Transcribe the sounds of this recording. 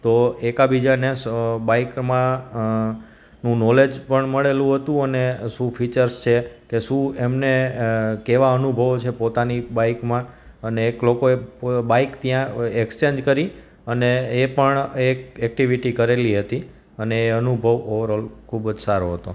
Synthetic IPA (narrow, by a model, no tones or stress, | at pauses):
t̪oekabid͡ʒanebaikmã | nũnɔled͡ʒpəɳməɭelũɦət̪ũəneʃũfʰit͡ʃəɾst͡ʃʰekeʃũemnekeʋaənubʱəʋot͡ʃʰepot̪anibaikmã | əneːklokoebaikt̪jãekst͡ʃẽnd͡ʒkəɾi | əneːpəɳekɛk̚ʈiʋiʈikəɾeliɦət̪i | əneːənubʱəʋoʋəɾəlkʰubd͡ʒsaɾoɦət̪o̰